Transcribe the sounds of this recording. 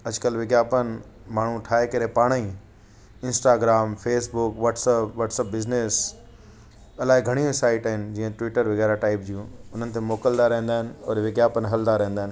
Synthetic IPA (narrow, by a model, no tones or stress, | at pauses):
ɐd͡ʑkəlʋɪɡjaːpənɪ | maːɳ̤ũʈʰaːɦekɐɾepaːɽ̃əĩ | ɪ̃nsʈaːɡɾaːmfeːsbʊkʋaːʈsəpʋaːʈsəp̚bɪznes | ɐlaːɪɡʱɐɽ̃iʋɪsaːɪʈɐɦɪnɪ̆d͡ʑiːə̃ʈʋɪːʈəɾʋɐɣɛːɾaʈaːɪp̚d͡ʑijũʊn̤ənɪ̆t̪ʰemoːkəld̪aɾɐɦə̃nd̪aːɪnɪ̆ɔːɾʋɪɡjaːpənɦɐld̪aɾɛ̃ɦə̃n̆d̪aːɦɪnɪ